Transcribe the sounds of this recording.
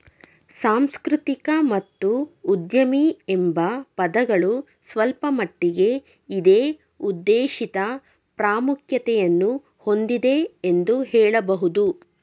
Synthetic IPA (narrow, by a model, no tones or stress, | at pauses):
saːmskɾut̪ikɐmɐt̪ːuːd̪jɐmiembɐpɐd̪ɐɡɐɭu | sʋɐlpɐmɐʈːiɡe̞ | id̪eː | ud̪ːeːʃit̪ɐ | pɾaːmukʰjɐt̪ɛjɐnːu | ho̞nd̪id̪e̞end̪uhɛːɭɐbɐɦud̪u